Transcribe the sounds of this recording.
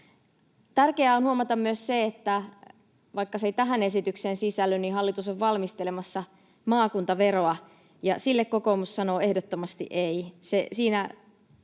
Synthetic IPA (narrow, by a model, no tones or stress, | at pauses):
t̪ærkeæonhuomɑt̪ɑmmyøsseet̪ːæ | ʋɑikːɑset̪æɦæne̞sit̪yksensisælːyniɦɑlːit̪usoʋʋɑlmist̪elemɑsːɑ | mɑːkunt̪ɑʋe̞ro̞ɑ | jɑsilːekkoko̞mussɑnoːe̞hdot̪ːomɑst̪ḭʔeisesiːnæ